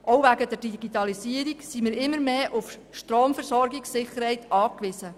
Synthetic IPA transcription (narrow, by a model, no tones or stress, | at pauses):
ʔoʊʋæɡədɛɾdiɡ̥itɑlisiəɾiksimɪːɾɪmːəɾmeːʔuf | ʃtroːmfɛɾsɔɾɡiksɪχəɾhɛɪtɑːkʋɪsə